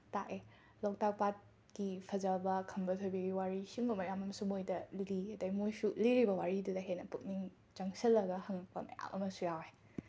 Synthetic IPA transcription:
taʔe | lɔk̚tak̚pat̚ | ɡipʰɐzɐbɐkʰɐmbɐtʰojbiɡiwaɾisiŋbɐmɐjamɐmsumojdɐliɐdɐjmujsuliɾibɐwaɾidudɐɦenɐpuk̚niŋ | d͡ʒɐŋsɐlːɐɡɐhɐŋɐk̚pɐ̰mɐ̰ja̰mʔɐ̰mɐsujawe

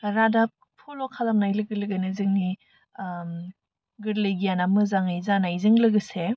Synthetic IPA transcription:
ɾada | pʰolokʰalamnajlɯɡɯlɯɡɯnɯzɯŋni | ɡɯɾlejɡijanamɯzaŋajzanajzɯŋlɯɡɯse

